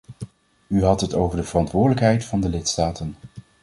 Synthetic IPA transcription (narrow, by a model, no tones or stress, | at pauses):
yɦɑtɦətowvəɹdəv̥ərɑntʋʊːɹdələkɦɛjtfɑndəlɪtstaːtən